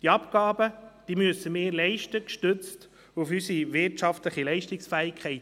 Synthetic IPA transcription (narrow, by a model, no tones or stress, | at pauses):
d̥iɑpkɑːbəd̪̥iːmyəsəmeːlɛɪʃtəkʃtʏt͡st | ufysiʋɪɾtʃɑftləχilɛɪʃtɪksfæːɪkʰχɛɪt